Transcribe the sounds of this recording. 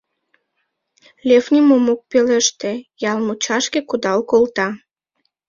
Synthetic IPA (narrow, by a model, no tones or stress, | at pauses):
lʲefnʲimomok̚peleʃt̪ejɑlmut͡ɕɑʃkekud̪ɑlkolt̪ɑ